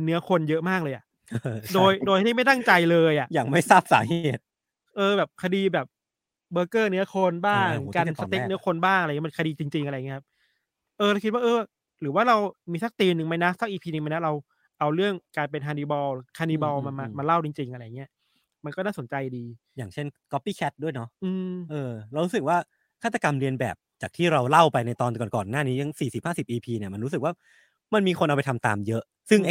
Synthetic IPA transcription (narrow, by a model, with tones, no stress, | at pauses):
nɯ˦˥ɐkʰo˧njɤ˦˥ʔmaː˥˩k̚lɤː˧jʔa˨˩ʔ | doː˧jdoː˧jt̪ʰi˥˩ma˥˩jt̪a˥˩ŋt͡ɕa˧jlɤː˧jʔa˨˩ʔjaː˨˩ŋma˥˩jsaː˥˩p̚sa̰ː˩˦heː˧˨˩t̪̚ | ʔɤː˧bɛː˨˩p̚kʰa˧diː˧bɛː˨˩p̚ | bɤː˧kɤː˥˩nɯ˦˥ɐkʰo˧nbaː˥˩ŋka˧˦nsa˧t̪e˦˥nɯ˦˥ɐkʰo˧nbaː˥˩ŋʔaɾa˧˨ŋ˦˥˧kʰa˧diː˧t͡ɕi˧ŋt͡ɕi˧ŋʔa˧ɾjŋi˦˥kʰa˦˥p̚ | ʔɤː˧ɾa˧wkʰi˦˥waː˥˩ʔɤː˧ | ɾɯː˩˦waː˥˩ɾa˧wmiː˧sa˦˩k̚t̪iː˧nɯ˧ŋma˧˥jna˦˥sa˦˥k̚ʔiː˧pʰiː˧nɯ˧ŋma˧˥jna˦˥ɾa˧w | ʔa˧wɾɯ˥˩əŋkaː˧np̬e˧nɦʰaː˧ndiː˧˩bɔː˧wkʰaː˧ndiː˧bɔː˧wma˧ma˧maː˧la˥˩wt͡ɕi˧ŋt͡ɕi˧ŋʔa˧ɾa˧ja˨˩ŋi˦˥ɐ | ma˧nkɔː˥˩naː˥˩so˩˦nt͡ɕa˧jdiː˧ | jaː˨˩ŋt͡ɕʰe˥˩nkɔ˦˥pːiː˥˩kʰɛ˦˥t̪̚du˥˩əjnɔ˦˥ʔɯː˧mʔɤː˧ɾɾu˦˥sɯ˨˩k̚waː˥˩ | kʰaː˥˩t̪a˧ka˧mɾi˧ənbɛ̰ː˨˩p̚t͡ɕaː˨˩k̚t̪ʰiː˥˩ɾa˧wla˥˩wpa˧jna˧jt̪ɔː˧nkɔː˨˩nkɔː˨˩nːaː˥˩niː˦˥t̪ʰa˦˥ŋsiː˨˩si˨˩p̚haː˥˩si˨˩p̚ʔiː˧pʰiː˧ni˥˩ma˧nɾuː˦˥sɯ˨˩k̚waː˥˩ | ma˧nmiː˧kʰo˧nʔa˧wpa˧jt̪ʰa˧mt̪a̰ː˧mjɤ˦˥ʔ | sɯ˥˩ŋʔ